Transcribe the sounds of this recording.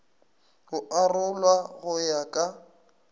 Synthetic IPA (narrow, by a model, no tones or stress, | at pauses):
ɣʊʔarʊlwaɣʊjakʼa